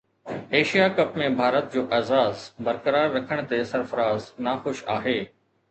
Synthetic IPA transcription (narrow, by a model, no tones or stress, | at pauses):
eːʃijakɐpmẽbʱaːɾət̪̚d͡ʑoːʔaːzaːzbɐɾkəɾaːɾːɐkʰəɽ̃t̪esɐɾfəɾaːznaːxʊʃaːɦeː